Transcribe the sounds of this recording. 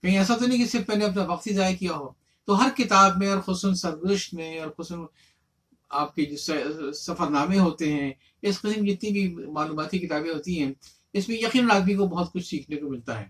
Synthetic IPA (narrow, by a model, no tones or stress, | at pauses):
kɐɦĩɛːsat̪onɐɦĩkisɪɾfmɛːneɐp̬naʋɐq̚t̪ɦizaːjakijaɦoː | t̪oɦɐɾkɪt̪aːbmẽɔːɾxʊsʊnsɐɾzʊʃʈ̪mẽɔːɾxʊsn | aːp̚ked͡ʒoːssɐfəɾnaːmẽɦoːt̪eɦɛ̃ | ɪsqɪsmd͡ʒɪt̪nibʱimaːluːmaːt̪ikɪt̪aːbẽɦoːt̪iɦɛ̃ː | ɪsmẽjɐqiːnɾaːɡ̪mikobɐɦʊt̪̚kʊt͡ʃʰsiːkʰnekomɪlt̪aɦɛ̰ː